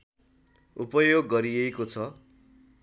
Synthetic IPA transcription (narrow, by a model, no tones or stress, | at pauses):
upʌjoɡːʌɾijekot͡sʰʌ